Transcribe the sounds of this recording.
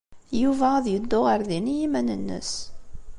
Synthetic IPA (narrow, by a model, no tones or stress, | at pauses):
juvææðjəd̪ːʊʁəɾðinijimænənːə̰s